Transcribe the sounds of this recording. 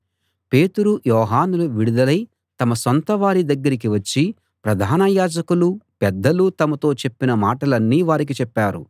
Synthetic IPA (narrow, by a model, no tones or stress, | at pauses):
pe̞ːt̪uɾujɔːɦaːnuluʋiɽud̪ɐlɐj | t̪ɐmɐsont̪ɐʋaːɾid̪ɐɡːɐɾik̬iʋɐt͡ʃːi | pɾɐd̪ʱaːnɐjaːd͡ʒɐkulupɛd̪ːɐlut̪ɐmɐt̪o̞ːt͡ʃe̞pːinɐmaːʈɐlɐnːiːʋaːɾik̬it͡ʃɛpːaːɾṵ